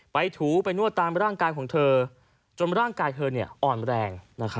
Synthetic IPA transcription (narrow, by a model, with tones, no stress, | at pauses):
pa˧jt̪ʰuː˩˦pa˧jnu˥˩ət̪ːaː˧mɾaː˥˩ŋkaː˧jkʰɔː˩˦ŋt̪ʰɤː˧ | t͡ɕo˧nɾaː˥˩ŋkaː˧jt̪ʰɤː˧ni˥˩ɐʔɔː˨˩nɾɛː˧ŋna˦˥kʰa˦˥